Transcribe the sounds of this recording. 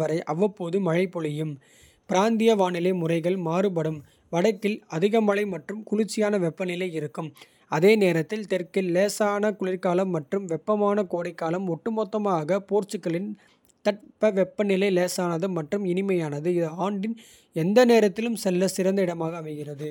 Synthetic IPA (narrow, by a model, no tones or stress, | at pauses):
ɐɾɐɪʔɐʋːɐpːoːðɯmɐɻɐɪpːɔɭɪjɯm | pɪɾaːnd̪ɪjɐʋaːnɪlɐɪmʊrɐɪɣɐɭmaːɾɯpɐɽɯm | ʋɐɽɐt̪ːɪlɐðɪɣɐmɐɻɐɪmɐʈrɯmkʊɻɪt͡ʃːɪjaːnɐʋɛpːɐnɪlɐɪɪɾɯkːɯm | ɐðeːneːɾɐt̪ːɪlt̪ɛrkɪlːeːsaːnɐkʊɭɪɾkaːlɐmːɐʈrɯmʋɛpːɐmaːnɐkoːɽɐɪkːaːlɐmɔʈːɯmoːt̪ːɐmaːɣɐpoːɾt͡ʃɯkːɐɭɪn | t̪ɐʈ̚pɐʋɛpːɐnɪlɐɪleːsaːnɐðɯmɐʈrɯmɪnɪmɐjaːnɐðɯɪðɐaːɳɖɪn | ɛnd̪ɐneːɾɐt̪ːɪlɯmsɛlːɐsɪɾɐnd̪ɐɪɽɐmaːɣɐːmɐɪɣɪrɐðɯ